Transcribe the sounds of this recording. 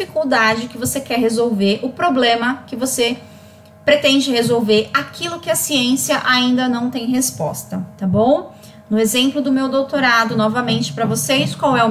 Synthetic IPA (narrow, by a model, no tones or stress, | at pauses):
fikuwd̪ad͡ʒɪkɪvosekɛɾɦezowveɾʔʊpɾoblẽmɐkɪvose | pɾet̪ẽnd͡ʒɪhezowveɾakʰilʊkɪɐsiẽsiɐʔaĩnd̪ɐnɐ̃w̃t̪ẽj̃ɦespɔ̰st̪ɐt̪abõw̃ | nʊezẽmplʊd̪ʊmewd̪owt̪oɾad̪ʊnɔvɐmẽnt͡ʃɪ̥pɾɐvoseiskwawɛʊ